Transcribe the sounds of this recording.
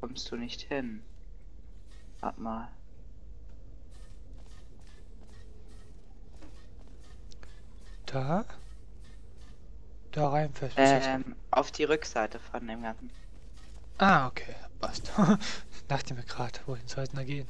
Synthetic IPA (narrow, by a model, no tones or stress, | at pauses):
kʰɔmstd̥uːnɪçthɪn | ha̰pmaːl | d̥aː | d̥aːʁaɪnfɛstʔɛm | ʔa̰ʊfd̥iːʁʏkz̥aɪtəfɔndeːmɡant͡sn̩ | ʔaːokʰeːb̥astonaːχd̥eːmɡʁaːtv̥oːhɪnzɔlsnaɡeːən